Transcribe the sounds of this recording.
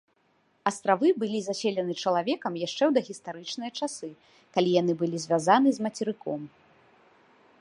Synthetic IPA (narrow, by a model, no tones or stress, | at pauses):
ɐst̪ɾavɨbɨlʲizasʲelʲɐnɨt͡ʂɐlˠavʲɛkɐmjaʂt͡ʂɛwd̪ɐɣʲist̪aɾɨt͡ʂnɨjɐt͡ʂasɨ | kalʲijanɨbɨlʲizʲvʲazan̪ɨzmɐt͡sʲɛɾɨkɔ̰m